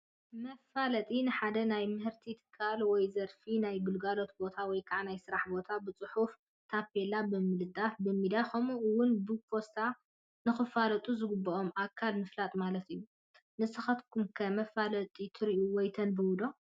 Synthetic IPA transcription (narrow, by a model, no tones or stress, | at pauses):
mɐfalɐt̪ʼinɨħad̪ɐnajmɨhɨɾt̪ʰit̪ʰɨ̥kʰːalwɔjzɐɾfinajɡɨlɡalo̞t̪̚bo̞t̪ʰawɔjkʰaʕnajsɨɾaħbo̞t̪ʰabɨt͡sʼɨħuf | t̪ʰapelabɨmɨlɨd̪afbɨmid̪axɐmuʔɨwʊnbɨfo̞st̪ʰa | nɨxɨfalɐt̪ʼuzɨɡɨbːɐomʔakʰːalmɨflat̪ʼmalɐt̪ɨjːu | nɨsɨxɐt̪kʰumkʰɐmɐfalɐt̪ʼit̪ʰɨɾiʔuwɔjt̪ʰɐnbɨwʊd̪o̞